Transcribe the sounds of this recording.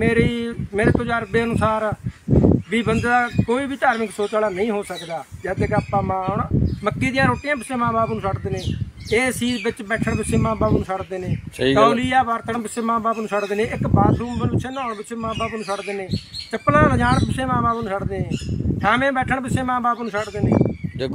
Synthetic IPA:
meːɾiːmeːɾeːt̪od͡ʒaːɾbeːənʊsaːɾ | biːbənd̪aːkoːiːbiːt̪aːɾmɪksoːt͡ʃaːlaːnəĩːɦoːsəkd̪aːd͡ʒɛːd̪ekaːpːãːmãːɳməkːiːd̪ɪjãːɾoːʈijãːpɪsẽːmãːbaːpnʊ̃səʈd̪eːnẽːeːsiːbɪt͡ʃbɛːʈʰəɳbɪsẽːmãːbaːpnũːsəɽd̪eːneːəoliːaːbaːɾt̪ʰənpɪseːmãːbaːpənũːsəɽd̪eːnẽːɪkbaːsuːmbənbɪsʰeːnãːɳbɪsʰeːmãːbaːpnũːsəʈd̪eːnẽːt͡ʃəpːlãːləd͡ʒaːɳpɪsẽːmãːbaːpnũːsəɽd̪eːnẽːsʰaːmẽːbɛːʈʰəɳpɪseːmãːbaːpnũːsəʈd̪eːnḛ̃ː

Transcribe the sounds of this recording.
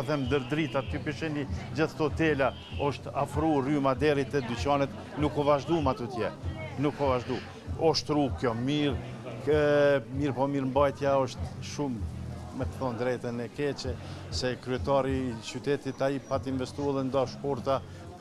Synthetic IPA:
θɛmd̪əɾd̪ɾit̪at̪̚kɔpiʃɛnid͡ʑəθt̪ɔt̪ɛla | ɔʃt̪afɾurymad̪ɛɾit̪ɛd̪yt͡ɕanɛt̪ | nukɔvaʒd̪umat̪ut̪jɛnukɔvaʒd̪u | ɔʃt̪ɾukjɔmiɾ | miɾpɔmiɾmbajt̪jaɔʃt̪ʃumː | ɛkθɔnd̪ɾɛt̪ɛnɛkɛt͡ɕɛsɛkɾyɛt̪ɑɾiːt͡ɕyt̪ɛt̪it̪aipat̪invɛst̪uɛlɛnd̪ɔʃpɔɾt̪a

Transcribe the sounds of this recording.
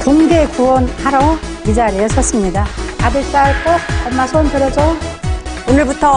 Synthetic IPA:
koŋɡekuʌnhaɾoid͡ʑaɾiʌsʰʌs͈ɯmɲidaadɯɭs͈aɭk͈oʌnmːasʰonteɾʌd͡ʑo | onɯɭbutʰʌ

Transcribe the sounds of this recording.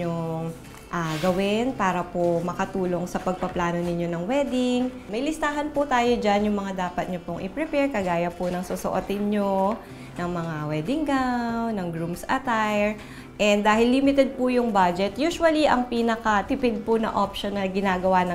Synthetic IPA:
o | ʔaɡɐwɪnpaːɾɐpomɐkɐt̪uːlo̞ŋsɐpɐɡ̚pɐplaːno̞nɪɲːo̞nɐŋwɛd̪ɪŋ | mɐjlɪst̪aːɦɐnpʊt̪aːjo̞d͡ʒanjʊŋmɐŋad̪aːpɐt̪̚ɲopoŋʔɪ̰pɹɛpɛɹkɐɡaːjɐpʊnɐŋsosoʔot̪ɪnɲo | nɐŋmɐŋawɛd̪ɪŋɡawnɐŋɡɹumsʔɐt̪ajɛɹ | ʔɛnd̪d̪aːhɪlːimɪt̪ɛd̪̚pʊjʊŋbad͡ʒɛt̪juːʃwɐliʔɐŋpiːnɐkɐt̪ɪpɪd̪̚pʊnɐ̰ʔopʃonːɐɡɪnaːɡɐwanɐ

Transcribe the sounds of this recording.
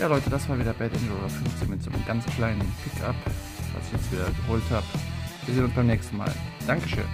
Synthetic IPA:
jaːlɔʏtəd̥asv̥aːɐviːdɐbɛtʔɪnd͡ʒloːdɐfʏnft͡seːnmɪtz̥o̰ːnə̰mɡant͡skʰl̥aɪnənpʰɪkʰa̰p | v̥a̰lsɪ̥çjɛt͡stv̥iːdɐɡəɦoːlthaːbv̥iːzeːnʊnsb̥aɪmnɛːçstn̩ma̰ːld̥aŋkəʃø̰ːn

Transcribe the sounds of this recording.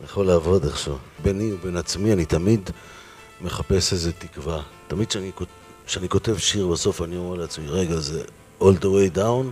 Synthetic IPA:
njaχoleavodaχʃavbeniube̞nat͡smianit̪amid̪ | meχape̞seze̞t̪ikvat̪amid̥ʃeaniko | ʃeaniko̞te̞vʃiʁbaso̞fanioʁeleat͡smiʁeɡaze | old̪owejdawn

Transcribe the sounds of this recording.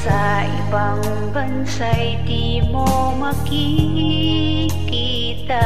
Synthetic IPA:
sa | ʔɪbaŋ | bɐnsajd̪i | mo | mɐki | ki | t̪a

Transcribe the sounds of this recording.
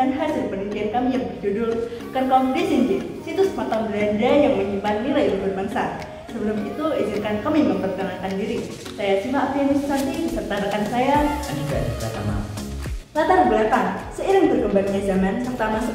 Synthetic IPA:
anɦad͡ʒadipənit̪iankamijaŋbəd͡ʒudʊr | kankamdisind͡ʒi | sit̪usmat̪anbɾɛndɛnjaŋməɲimpanːilailaŋbərmaŋsa | səbəlʊmit̪uid͡ʒɪnkankamiməmpərk̪ənaŋkandiɾi | sajat͡ʃimaːpaanisəsant̪idisərt̪aɾəkansajaaniɡa̰nbəla̰t̪a̰ma̰ | lat̪anbəlat̪aŋ | səiɾɪŋbərɡəmbaŋɲazamansərt̪amans

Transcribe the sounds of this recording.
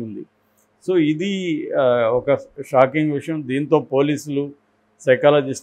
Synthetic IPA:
und̪ḭ | so̞ːid̪i | ɔkɐʂaːkiŋɡʋiʂɐjɐmd̪iːnt̪o̞ːpo̞ːliːsulu | sɐjkaːlɐd͡ʒisʈ

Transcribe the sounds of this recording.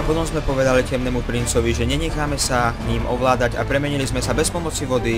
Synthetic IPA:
apɔt̪ɔmzmɛpɔʋɛd̪alicɛmnɛːmupɾint͡sɔʋiʒɛɲɛɲɛxaːmɛsaɲiːmʔɔʋlaːd̪aɟa̰pɾɛmɛɲilizmɛsabɛspɔmɔt͡siʋɔd̪i

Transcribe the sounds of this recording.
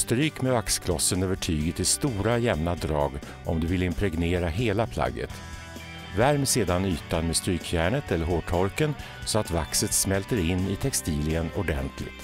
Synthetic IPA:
st̪ɾyːkmɛvakskʰlɔsːənøːvəʈʰyːɡət̪ʰːɪlst̪uːɾajɛmnad̪ɾɑːɡ | ʔɔmd̪ɵvɪlɪmpʰɾɛɡneːɾaɦeːlapʰla̰ɡːə̰t̪ | væɾmseːd̪anyːt̪anmeɛst̪ɾyːkʰjæːɳət̪ɛlːəɾɦoːʈʰɔɾkən | sɔat̪vaksət̪smɛlt̪əɾɪnːɪt̪ʰɛkst̪iːlɪənɔɖɛnt̪ʰlɪ̰ɡt̪

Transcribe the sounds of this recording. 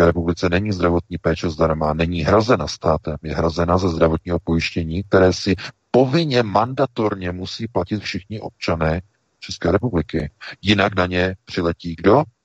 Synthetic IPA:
ɛːɾɛpublɪt͡sɛnɛɲiːzd̪ɾavo̞t̪̚ɲiːpɛːt͡ʃɛzdaɾmanɛɲiːɦɾazɛnast̪aːt̪ɛmjɛɦɾazɛnazɛzd̪ɾavo̞t̪ɲiːɦo̞po̞jɪʃcɛɲiːk̚t̪ɛɾɛːsɪpo̞vɪɲɛmandat̪oɾɲɛmusiːplacɪt̪fʃɪxɲɪʔo̞p̚t͡ʃanɛː | t͡ʃɛskɛːɾɛpublɪkɪjɪnaknaɲɛpr̥ɪlɛciːɡdo̞

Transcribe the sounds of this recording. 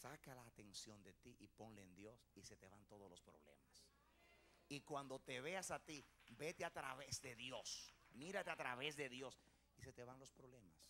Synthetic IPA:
sakalaːt̪e̞nsjo̞nd̪e̞t̪iʔipo̞nleːnd̪jo̞sise̞t̪e̞βant̪o̞ðolo̞spɾo̞̰βle̞̰mas | ikwand̪o̞t̪e̞βe̞asat̪ibe̞t̪eat̪ɾaβesd̪e̞ðjo̞smiɾat̪eat̪ɾaβe̞zðe̞ðjo̞s | ise̞t̪e̞βaŋlo̞spɾoβle̞mas

